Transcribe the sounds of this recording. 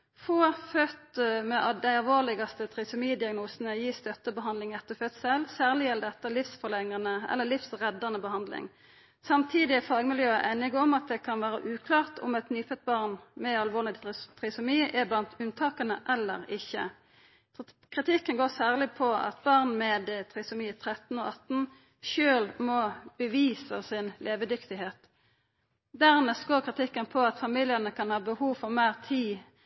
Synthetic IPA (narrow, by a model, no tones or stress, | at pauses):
foːfœt̪mɛʔɑd̪æɪɑlʋoːʁlɪɡɑst̪ət̪ʰʁɪsʊmiːd̪ɪɑɡnuːsənəjiːst̪œt̪ːəbəɦɑnd̪lɪŋɛt̪ːəfœt̪sɛlsæːʁlɪjɛld̪ɛt̪ːəlɪfsfɔʁlɛŋənəɛ̰lːəlɪfsʁɛd̪ːɑnəbəhɑnd̪lɪ̰ŋ | sɑmt̪ʰiːd̪ɪfɑːɡmɪljøːəʔæɪnɪɡɔmɑt̪̚d̪ɛkʰɑnʋæːɾə̰ʔʉːkʰlɑːʁt̪ʰʊ̰mɛt̪nyːfœt̪̚bɑʁnmɛɑlʋoːlɪt̪ʰʁɪsʊmiːʔɛblɑnt̪ʰʉnt̪ʰɑːkənəʔɛlːə̰ʁɪçːə̰ | kʰʁɪt̪ʰɪkːənɡoːʁsæːʁlɪpʰɔɑ̰t̪̚bɑʁnmɛd̪t̪ʰʁɪsʊmiːt̪ʰʁɛt̪n̩o̰ːʔɑt̪n̩ | ʃøːlmɔb̥əʋiːsəsɪnlʔeːʋəd̪ʏkt̪ɪɦeːt̪ | d̪æʁnɛsɡoːʁkʰʁɪt̪ʰɪkːənpʰɔɑt̪fɑmiːljənəkʰɑnhɑːbəhuːʋfɔʁmæːʁt̪ʰiː